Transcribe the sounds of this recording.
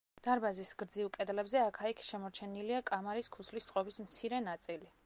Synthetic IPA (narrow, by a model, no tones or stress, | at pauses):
d̪̥aɾbazisɡɾd̪zivkʼɛd̪lɛbzɛakʰaikʰʃɛmɔɾt͡ʃʰɛniliakʼamaɾiskʰusʰlist̪ːʼqʼɔbismt̪sʰiɾɛnat̪sʼili